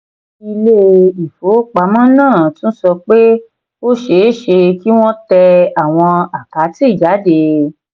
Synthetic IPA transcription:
i˧le˦i˨fo˨˦k͡pa˨˦mɔ̃˦nãː˦˨tũ˦sɔ˧k͡pe˦ | o˦ʃe˧˦ʃe˧ki˦w̃ɔ̃˦tɛ˧a˨w̃ɔ̃˧a˨ka˨˦ti˦˨d͡ʒa˨˦de˧

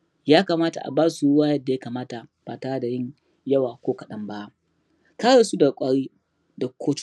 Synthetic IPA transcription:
jaː˦kaː˨maː˦ta˨ʔa̰˨baː˦su˨ɽʊ˦waː˦jɐ˦dːa˨ja˦kaː˨maː˦ta˨b̥aː˨taː˦da˨jɪ˦ɲ | jɐ˦waː˨kʷoː˦kɐ˨ɗɐ˦mba˦ | kaː˦ɽeː˨su˦da˨kʷʼaː˦ɽiː˦ | da˨kʰʷoː˦t͡ʃ

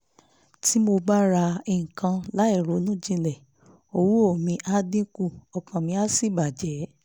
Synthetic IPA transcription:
ti˨˦mo˧ba˦ɾa˧i˨ŋ̩˨kã˧la˨˦i˦˨ɾo˨˦nũ˦d͡ʒĩ˧lɛ˨ | o˧wu˦o˦˨mĩ˧˦ʔa˦dĩ˦ku˦˨ɔ˨kã˨mĩ˧˦a˦si˦˨ba˨d͡ʒɛ˨˦

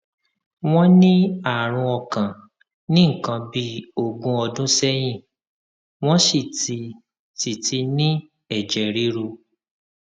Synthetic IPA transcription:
w̃ɔ̃˦nĩ˦a˦˨ɾ̃ũ˧ɔ˧kã˨ | nĩ˦ŋ̩˨kã˧bi˦o˦˨ɡũ˧ɔ˧dũ˦sɛ˦j̃ĩ˦˨ | w̃ɔ̃˦ʃi˦˨ti˧ | ti˨ti˧nĩ˦ | ɛ˨d͡ʒɛ˨ɾi˨˦ɾo˧

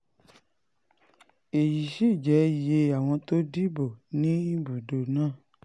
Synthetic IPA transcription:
e˨ji˨ʃi˦˨d͡ʒɛ˨˦je˧a˨w̃ɔ̃˧to˦di˦bo˨nĩ˦i˦bu˨do˨nãː˦˨

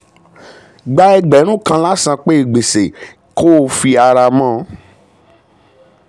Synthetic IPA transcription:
ɡ͡ba˧˦ɛ˧ɡ͡bɛ˨˦nũ˦˨kã˧la˦sã˧k͡pe˦e˨ɡ͡be˨se˨ | ko˦˨˦fi˧a˧ɾa˧mã˦˨˦

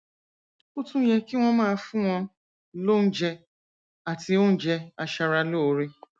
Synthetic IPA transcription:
u˦tũ˦jɛ˧ki˦w̃ɔ̃˧mãː˦˧fũ˦w̃ɔ̃˧ | lo˦n̩˦d͡ʒɛ˧ | a˨ti˧˦o˦n̩˦d͡ʒɛ˧a˧ʃa˧ɾa˧lo˦˨ɾe˧

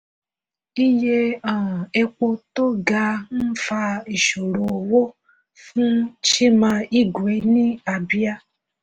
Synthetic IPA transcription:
i˦je˦ã˨ɛ˧k͡po˦to˦ɡa˧n̩˦fa˧i˨ʃo˨ɾo˨wo˦ | fũ˦t͡ʃe˦mã˧i˦ɡwe˨˦nĩ˦a˨bi˦a˦

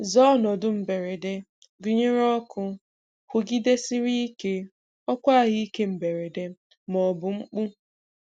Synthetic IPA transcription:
zɔ˦nɔ˨dʊ˦m̩˨be˨ɾe˨de˦ | ɡi˦ɲe˦ɾɔ˦kʰʊ˦ | kʷʊ˨ɡi˦de˦sɪ˦ɾi˦i˦ke˦ | ɔ˦kʷa˦˨ɣi˦i˦ke˦m̩˨be˨ɾe˨de˦ | mɔ˨bʊ˨ŋ͡m̩˦k͡pu˦

